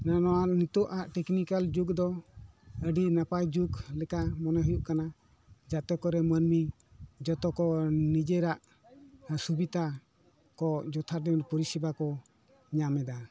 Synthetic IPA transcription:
nanɔanit̪ɔʔaʔʈɛknikald͡ʒuɡd̪ɔ | əɖinapajd͡ʒuɡlɛkamɔnɔɦujuʔkana | d͡ʒat̪ɔkɔɾɛmənmi | d͡ʒɔt̪ɔkɔnid͡ʒeɾaʔ | subit̪a | kɔd͡ʒɔt̪ʰaɾd̪ɛmpɔɾisibakɔ | ɲamɛd̪a

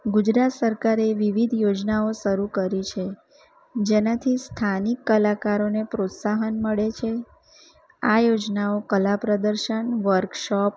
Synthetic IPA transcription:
ɡud͡ʒɾat̪səɾkaɾeʋiʋid̪ʱjod͡ʒnaoʃəɾukəɾit͡ʃʰe | d͡ʒenat̪ʰist̪ʰanikːəlakaɾonepɾot̪saɦənməɭet͡ʃʰe | ajod͡ʒnaokəlapɾəd̪əɾʃəɳʋəɾkʃɔp

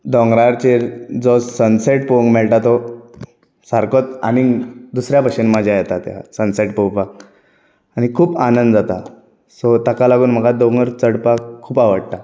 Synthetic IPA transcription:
d̪ɔ̃ŋɡɾaɾt͡ɕeɾd͡zɔsənseʈ̚poŋɡmɛɭʈat̪ɔ | saɾkot̪a̰niŋɡd̪usɾjapəɕinmad͡ʑʱjajɛt̪at̪ja̰sənseʈpowpak | aɽ̃ikʰuːpanənd̪d͡zat̪a | sɔt̪akalaɡuːnm̤əɡad̪ɔŋɡəɾt͡səɽpakkʰːuːpaʋəɽt̪a

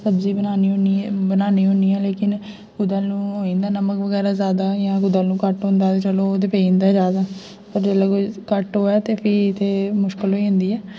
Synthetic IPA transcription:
səbziːbənaːniːnibənaːniːɦõːniːɛːleːkɪn | ɡʊd̪aːnũːɦoːĩnd̪aːnəməkʋəɡɛːɾaːzaːd̪aːjãːɡʊd̪aːlnũːkəʈɦõːnd̪aːt̪eːt͡ʃəlõːd̪eːpẽːnd̪aːd͡ʒaːd̪aː | pəɾd͡ʒeːlɛːkokəʈɦoːɛːt̪eːpʰɪɪt̪ʰːeːmʊʃkəlɦoːiːɦʊ̃nd̪iːɛː

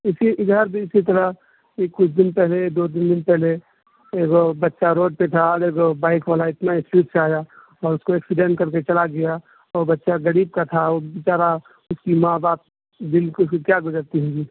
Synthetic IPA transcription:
ɪsiʔɪd̪ʱəɾbʱiɪsit̪əɾəɦ | ekːʊt͡ʃʰd̪ɪnpɛɦled̪oːd̪ɪnd̪ɪnpɛɦle | eːɡobɐtːʃaɾoːɖ̚pet̪ʰaɔːɾeːɡobaːɪkʋaːlaɪt̪naɪspiːʈseaːja | ɔːɾʊskoɛːksɪɖẽɳʈkɐɾket͡ʃɐlaɡɐja | ɔːɾbətːʃaɡəɾiːb̚kat̪ʰaobɪt͡ʃaːɾa | ʊskimaːbaːp̚ | b̪ɪlkʊkkjaɡʊd͡ʒəɾt̪iɦõːɡiː

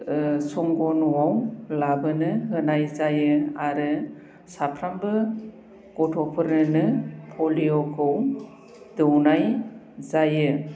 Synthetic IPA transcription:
sɔŋɡɔnuwawlabɯnɯɦɯnajzajɯaɾɯ | sapʰɾambɯ | ɡ̥ɔtʰɔpʰɯɾɯnɯpʰɔlijokʰɯw | dɯwnaj | zajɯ

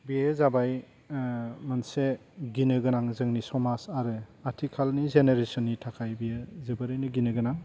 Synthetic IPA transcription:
bijezabaj | mɯnseɡinɯɡɯnaŋzɯŋnisɔmasaɾɯaɾtʰikʰalnizeneɾesɔnːitʰakʰajbijezɯbɯɾɯjnɯɡinɯɡɯnaŋ

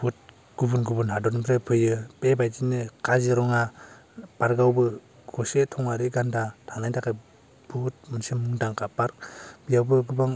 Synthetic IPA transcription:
put̚ | ɡ̥ubunɡubɯnɦadɔnbɾepʰɯjɯpebajd͡ʒinɯkaziɾɔŋa | paɾɡawbɯ | ɡ̥ɔsetʰɔŋaɾiɡandatʰanajdakaj | but̚mɯnsimmːɯŋdaŋkapaɾk̚b̥ijawbɯɡubaŋ

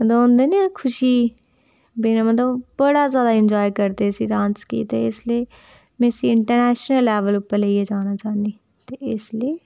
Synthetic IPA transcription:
mət̪ləõːnd̪eːnikʰʊʃiː | beːnamət̪ləbbəɽaːzjaːd̪aːɪɲd͡ʒɔːikəɾd̪eːsiːɖãːnskḭːt̪eɪsleː | mẽːsiɪɳʈəɾnɛːʃnəlːɛːʋəlʊpːəɾleiɛːd͡ʒaːnaːt͡ʃaːneː | t̪eːɪsliː

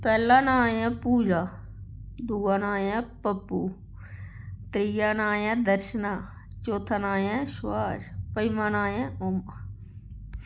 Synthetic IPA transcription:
pɛːlaːnaːjãːpuːd͡ʒaː | d̪uːaːnaːjẽːpəpːuː | t̪ɾijaːnaːjãːd̪əɾʃənaː | t͡ʃoːt̪ʰanaːjẽːʃwaːʃpəjmãːnaːjẽːoma

